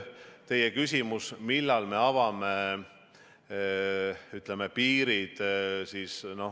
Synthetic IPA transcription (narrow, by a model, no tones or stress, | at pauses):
t̪e̞jekys̬ʲimusmilːɑlme̞ɑvɑme̞ | yt̪lemepiːɾid̪̥siːsno̞